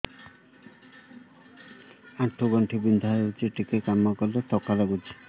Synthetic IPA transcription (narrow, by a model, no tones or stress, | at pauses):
aʈʰːoɡɔɳʈʰibind̪ʱaɾut͡ɕiʈikekamːakɔllet̪ɔkːalaɡud͡ʑi̥